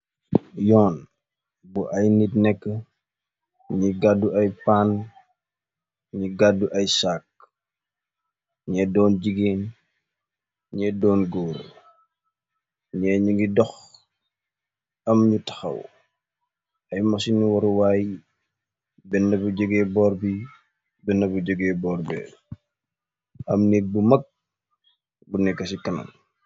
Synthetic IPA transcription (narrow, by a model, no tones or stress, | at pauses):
jɔːn | buʔɐjnitnɛkːə | ɲiɡadːuɐjpan | ɲiɡadːuʔɐjsaːk̚ | ɲɛdɔːnɟiɡeːn | ɲɛdɔːnɡɔːr | ɲɛːɲuŋɡidɔx | ɐmɲutɐ̥xɐ̰w | ɐjmɐsinːiwɐɾuwaːj | bɛnːɐbuɟɔɡɛːbɔːrbi | bɛnːɐbuɟɔɡɛbɔːrbɛ̰ | ɐmnɛk̚bumɐk̚ | bunɛkːɐsikɐnɐ̰m